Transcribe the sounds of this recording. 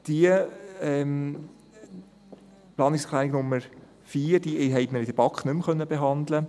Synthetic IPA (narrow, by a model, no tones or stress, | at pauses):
d̪̥iəɛm | plɑːnɪkskʰlænɪɡnʊmːəɾ | fiːɾd̥iʔɦɛɪtməɾɪd̥əb̥ɑkχnʏmχœnːəbeɦɑnd̪lə